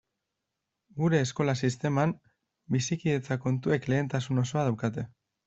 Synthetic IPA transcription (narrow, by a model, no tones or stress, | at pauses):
ɡuɾe̞ːsko̞lasist̪e̞mam | bisikiðe̞t͡sako̞nt̪ue̞kle̞ːnt̪asuno̞so̞að̞awkat̪e̞